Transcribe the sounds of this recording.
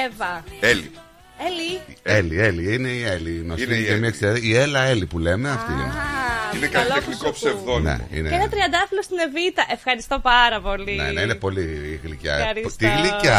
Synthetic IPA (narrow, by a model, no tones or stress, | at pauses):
vɐelḭ | elielie̞liine̞ieliːɣnosiemiɐekseɐðielɐe̞lipule̞meɐft̪ḭninekɐit̪exnikopsevðonḛḭneenɐt̪ɾiɐnd̪ɐfilost̪ine̞vit̪ɐʔe̞fxɐɾist̪o̞pɐɾɐpo̞linḛneinepo̞liɣlicɐ̰ɾit̪iɣlicɐ